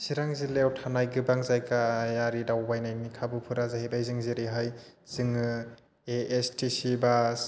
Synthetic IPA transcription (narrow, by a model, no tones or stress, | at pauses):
siɾaŋzilewtʰanajɡɯbaŋzajkʰajaɾidawbajnajnikʰabɯpʰɯɾazaɦhebajzɯŋziɾiɦajz̥ɯŋ | eestisibas